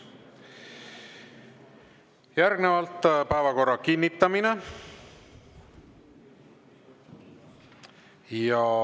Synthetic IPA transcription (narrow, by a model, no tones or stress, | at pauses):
jæɾɡnevɑlt̪ːpæevɑko̞rːɑkinʲːit̪ːɑmine | jɑ